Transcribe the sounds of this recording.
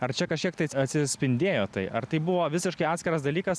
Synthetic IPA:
ɐrt͡ʃʲɛkɐʃʲkʲiɛk̚t̪ɐɪɐt̪ʲsʲɪsʲpʲɪnʲd̪ʲeːjoːt̪ɐɪʔɐɾt̪ɐɪbʊʋoːʋʲɪsʲɪʃkɐɪɑːt̪ʲsʲkʲɪɾɐs̬d̪ɐlʲiːkɐs

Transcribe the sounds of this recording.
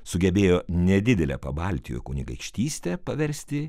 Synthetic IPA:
sʊɡʲɛbʲeːjoːnʲɛd̪ʲɪd̪ʲɛlʲɛ̰pɐbɐˑlʲt̪ʲɪjo̰jkʊnʲɪɡɐɪkʃʲt̪ʲiːsʲt̪ʲɛpɐʋʲɛɾʲsʲt̪ʲɪ

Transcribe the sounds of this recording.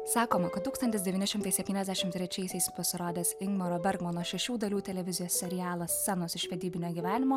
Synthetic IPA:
sɑːkoːmɐkɐt̪̚t̪uːkst̪ɐnt̪ʲɪsd̪ʲɛʋʲinʲɪʃʲɪmt̪ɐɪsʲɛp̚ʲt̪ʲiːnʲɛzd̪ʲæʃʲɪmt̪ʲɾʲɛt͡ʃʲɛɪsʲɛɪspɐsʲɪɾoːd̪ʲeːsɪŋɡmɐɾoːbʲɛɾɡmoːnoːʃʲɛʃʲuːd̪ɐlʲuːt̪ʲɛlʲɛʋʲɪzʲɪjoːsʲsʲɛɾʲɪjæːlˠɐsːʲɛnoːsɪʃʲʋʲɛd̪ʲiːbʲɪnʲoːɡʲiːʋʲæːnʲɪmoː

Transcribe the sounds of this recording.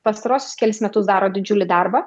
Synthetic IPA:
pɐst̪ɐɾuɔsʲʊ̥skʲɛlʲɪsmʲɛt̪ʊsd̪ɑːɾoːd̪ʲɪd͡ʒʲʊlʲɪd̪ɐrbɐ

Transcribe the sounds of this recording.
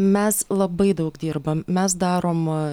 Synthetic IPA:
mʲɛslˠɐbɐɪd̪ɐʊkd̪ʲiːɾbɐmmʲɛs̬d̪ɑːɾoːm

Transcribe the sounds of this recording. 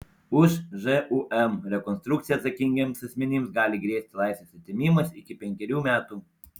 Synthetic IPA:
ʊʃʒɛʔuʔɛmɾʲɛkɔnst̪ɾʊkt̪sʲɪjɐt̪sɐkʲɪŋʲɡʲemsɐsʲmʲɛnʲɪmsɡɑːlʲɪɡɾʲeːsʲt̪ʲɪlˠɑˑɪsʋʲeːsɐt̪ʲɪmʲiːmɐsɪkʲɪpʲɛŋʲkʲɛɾʲuːmʲæːt̪uː

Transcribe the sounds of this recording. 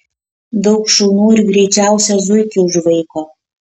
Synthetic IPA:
d̪ɐʊkʃuːnuːɪɾɡɾʲɛɪt͡ʃʲæʊsʲɛzʊjkʲʊʊʒʋɐɪkoː

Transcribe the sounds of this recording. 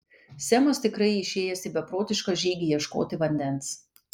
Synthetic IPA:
sʲɛmɐst̪ʲɪkɾɐɪɪʃʲeːjɛsʲɪbʲɛpɾoːt̪ʲɪʃkɐʒʲiːɡʲijiɛʃko̰ːt̪ʲɪʋɐnʲd̪ʲɛnˑs

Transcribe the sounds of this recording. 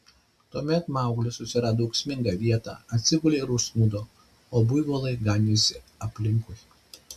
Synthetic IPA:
t̪uɔmʲɛt̪mɑˑʊɡlʲʊsʊsʲɪɾɑːd̪ouːksʲmʲɪŋɡɑʋʲiɛt̪ɑ̰ːɐt̪ʲsʲɪɡʊlʲeːɪɾusnuːd̪oː | oːbʊjʋoːlˠɐɪɡɑnʲɪsʲɪɐpʲlʲɪŋkʊj

